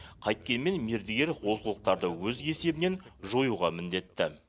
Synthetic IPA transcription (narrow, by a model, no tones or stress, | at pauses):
qʰɑjt̪̚kʲe̞nme̞nmeɾd̪ɪɡʲe̞ɾwo̞səlˠəq̚t̪ɑɾd̪əwɵzɡe̞se̞bɪne̞nʒo̞juʁɑmɪnd̪e̞t̪ːɪ